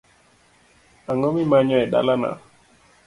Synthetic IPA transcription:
aŋomimaɲɔɛɗa̰lana̰

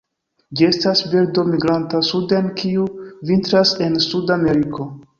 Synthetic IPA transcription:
d͡ʒie̞stasbeɾdo̞miɡɾantasudenkʰiuvintɾase̞nsudame̞ɾikʰo̞

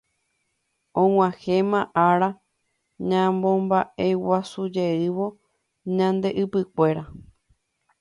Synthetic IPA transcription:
õw̃ʷãhẽmãʔaɾa | ɲãmbõ̞mbaʔewasud͡ʒe̞ɨʋo̞ | ɲãnd̪e̞ʔɨpɨkʷe̞ɾa

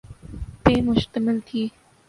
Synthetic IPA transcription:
pẽːmʊʃt̪əmɪlt̪ʰiː

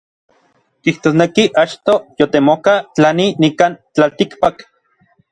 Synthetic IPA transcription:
kiht̪oːsnekiʔat͡ʃt̪ojot̪emokat͡ɬaninikant͡ɬalt̪ikpak

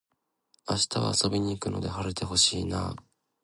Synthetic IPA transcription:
aɕi̥t̪aβa̰aso̞bʲiɲ̟iːkɯ̟no̞̰d̪e̞ɦaɾɯt̪ʰe̞ɦo̞ɕiːnaː

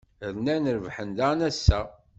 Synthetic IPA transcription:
əɾnænəɾəvħənd̪ænæsːæ

